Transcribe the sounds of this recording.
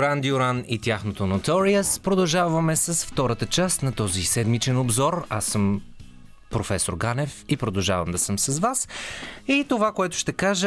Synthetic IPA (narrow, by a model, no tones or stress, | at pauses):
ɾand̪ioɾanit̪ʲjaxnot̪onot̪ɔɾiəspɾod̪ɐlˠʒavɐmɛsɐsft̪ɔɾət̪ət͡ʃast̪nɐt̪ɔzisɛd̪mit͡ʃɛnobzɔɾasːɤm | pɾofɛsoɾɡanɛfipɾod̪ɐlˠʒa̰vɐmd̪ɐsɤmsɐzvasit̪ovakoɛt̪ʊʃt̪ɛkaʒə